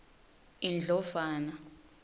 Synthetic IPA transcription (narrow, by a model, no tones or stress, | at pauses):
ind͡ɮʱɔfaːna